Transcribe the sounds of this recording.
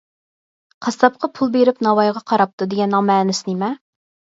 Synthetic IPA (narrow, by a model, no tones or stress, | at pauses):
qʰɑst̪ɑp̚qʰɑpʰulˠbeɾɪpnɑwɑjʁɑqʰɑɾɑp̚t̪ʰud̪eɡʲɛnːɑŋmɛːnɪsɪnɪmɛ